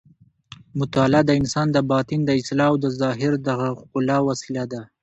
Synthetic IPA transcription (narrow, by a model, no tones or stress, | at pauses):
mʊt̪ɑlɑd̪əɪnsɑnd̪əbɑt̪ind̪əɪslɑwd̪əzɑɦɪɾd̪aɣaqʊlɑwasilad̪a